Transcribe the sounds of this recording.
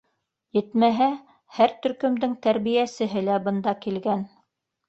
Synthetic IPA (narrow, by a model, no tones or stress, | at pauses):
jɘ̆t̪mæɦæ | hæɾt̪ɵ̆ɾkɵ̆md̪ɘŋt̪æɾβijæsɘ̆ɦɘlæbɤ̆nd̪ɑkilɡæn